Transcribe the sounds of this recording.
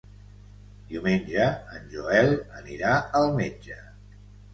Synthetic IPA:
d̪iumenʲʒəːnʲʒuɛlˠəniɾaəlˠmed͡ʒə

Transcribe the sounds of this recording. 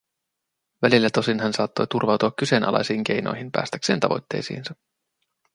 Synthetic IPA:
ʋælilːæt̪o̞sinɦænsɑːt̪ːo̞jt̪urʋɑwt̪uɑkːysenʔɑ̰lɑ̰jsiːŋk̟e̞jno̞̰jɦinpæ̰ːst̪ækse̞ːnt̪ɑ̰ʋo̞̰jt̪ːe̞̰jsḭːnsɑ

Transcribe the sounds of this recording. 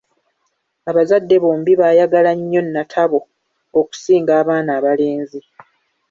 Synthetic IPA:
aβazadːe̞βoːmbiβaːjaɡalaɲːo̞nːatʰaβo̞ː | ku̥siːŋɡaːβaːnaːβale̞ːnzi

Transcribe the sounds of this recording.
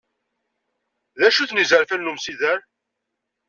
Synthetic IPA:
ðæʃuθnizəɾfænːumsiðæɾ

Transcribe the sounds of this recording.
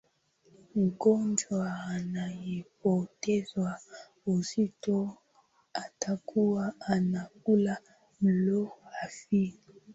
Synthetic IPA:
ŋ̩ɡɔnd͡ʒwaːnajipɔtɛzwa | uzito | atʰakʰuwaanak̚ula | loafi

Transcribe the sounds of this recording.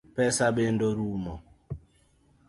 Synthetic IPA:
pɛsabendoɾumɔ

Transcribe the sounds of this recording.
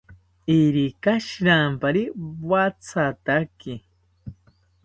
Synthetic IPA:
iɾikaʃiɾampaɾiwat͡sʰat̪aki

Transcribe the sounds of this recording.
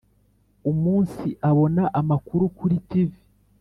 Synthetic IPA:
umuːnsiʔaβo̞naʔamakuɾukuɾitivi

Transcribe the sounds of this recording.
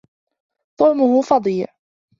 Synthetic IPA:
t̪ˤʊʕmʊhʊfɑd̪ˤiːʕ

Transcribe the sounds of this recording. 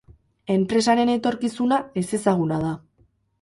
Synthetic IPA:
e̞mpɾe̞s̬aɾe̞ne̞t̪o̞ɾkisunae̞se̞saɣ̞unað̞a

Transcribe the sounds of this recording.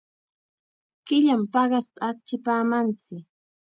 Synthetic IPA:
kɪʎampɑɢɑspaːk̚t͡ʃɪpaːmant͡sɪk

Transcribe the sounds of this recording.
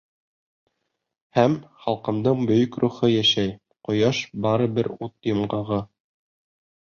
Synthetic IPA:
hæmχɑlˠqɤ̆md̪ɤɴbɵ̆jɵkɾuχɤjæʃæj | qŏjɑʃbɑɾɤ̆bɘɾut̪jŏmɢɑʁɤ

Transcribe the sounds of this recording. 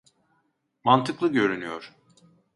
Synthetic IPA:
mant̪ʰɯklˠɯɟø̞ɾynyjo̰ɾ̥

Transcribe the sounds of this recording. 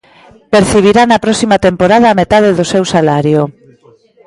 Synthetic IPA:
peɾθiβ̞iɾanɐpɾɔsimat̪empoɾaðɐːmet̪að̞eðosewsalaɾjo

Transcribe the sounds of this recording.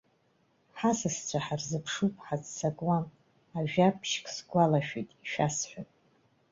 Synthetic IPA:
ħasɨst͡ɕʷʰaħarzɨpʰʂupʼħazsakʼwam | aʒᶣapʰʃkʰʼsɡʷʼalaʃᶣijtʼiʃᶣasħʷᶣapʼ

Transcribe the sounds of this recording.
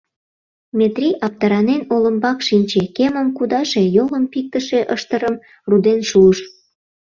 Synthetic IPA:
mʲet̪rʲiʔɑp̚t̪ɑɾɑnenoləmbɑkʃinʲt͡ɕekeməmkud̪ɑʃejoləmpik̚t̪əʃeʔəʃt̪əɾəm | rud̪enʃuəʃ

